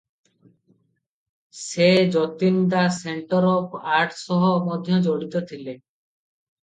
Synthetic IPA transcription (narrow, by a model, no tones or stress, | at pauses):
sed͡ʒɔt̪ind̪aseɳʈɔɾɔpaɾʈsɔɦɔmɔd̪ʱjɔd͡ʒoɽit̪ot̪ʰile